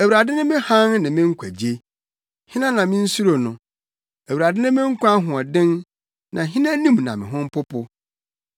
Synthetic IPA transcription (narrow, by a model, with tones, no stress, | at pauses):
æ˨wu˨ɾa˨dɪ˦nɪ̃˦mɪ̃˦hã˦nnɪ̃˨mɪ̃˦ŋ̩˦kʷʰæ˨d͡ʑi˨˦e˦ | hɪ̃˦nã˦nã˨mɪ̃˦n̩˦su˦ɾo˨nʊ̃˨ | æ˨wu˨ɾa˨dɪ̃˦nɪ̃˦mɪ̃˦ŋ̩˦kʷã˦ɦʊ̃˨ɔ˨dɪ̃˦n | nã˨ɦɪ̃˦nã˦nĩ˦mnã˨mɪ̃˨ɦʊ̃˦m˦pʰʊ˦pʊ˦